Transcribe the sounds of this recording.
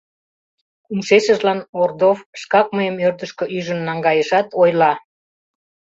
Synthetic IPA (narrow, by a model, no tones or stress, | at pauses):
umʃeʃəʒlɑnord̪ofʃkɑk̚məjəmørd̪əʃkø̽ʔyʒənːɑŋɡɑjəʃɑt̪ojlɑ